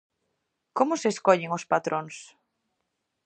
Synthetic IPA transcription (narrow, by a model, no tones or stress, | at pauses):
komʊseskoʎeŋʊspat̪ɾʔoŋs